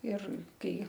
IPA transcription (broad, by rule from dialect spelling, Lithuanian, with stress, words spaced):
ɪr ˈkɐɪ